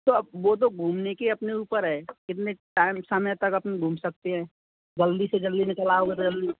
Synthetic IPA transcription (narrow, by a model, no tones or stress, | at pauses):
t̪oɐbʋot̪̬oɡʱuːmnekeɐpneuːpəɾɦɛːkɪt̪̬neʈaːɪmsamjat̪ɐkɐpneɡʱuːmsɐk̚t̪eɦɛ̃ː | d͡ʒɐld̪ised͡ʒɐlːinɪkəlaɦoet̪od͡ʒɐlːi